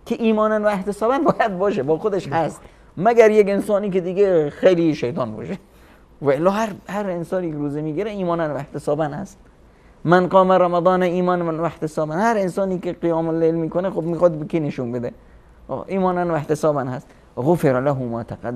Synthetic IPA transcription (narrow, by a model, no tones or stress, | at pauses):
kʰeʔiːmɒːnænvæeht̪esɒːbænbɒːjæd̪̚bɒːʃebɒːxod̪eʃhæst̪ | mæɡæɾjekensɒːniːked̪iːɡexejliʃejt̪ʰɒːnbɒ̰ːʃe | væelːɒːhæɾhæɾensɒːnikʰʲeɾuːzemiːɡiɾeiːmɒːnænvæeht̪esɒːbænhæ̰st̪ | mænqɒːmeɾæmæd̪ɒːneiːmɒːnnvæeht̪esɒːbænhæɾensɒːniːkeqijɒːmolelmiːkonexobmiːxɒd̪bekʰineʃunbed̪ḛ | ʔiːmɒːnænvæht̪esɒːbænhæst̪ | ɣofeɾlæɦumæ̰ːt̪ʰæqæd̪